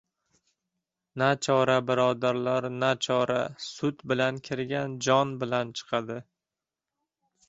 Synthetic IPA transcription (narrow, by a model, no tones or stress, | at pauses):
nat͡ʃʰɒɾabɪɾɒd̪aɾlaɾnat͡ʃʰɒɾasʊt̪bɪlankʲʰɪɾɡʲand͡ʒɒnbɪlant͡ʃʰɨ̥qʰɑd̪ɪ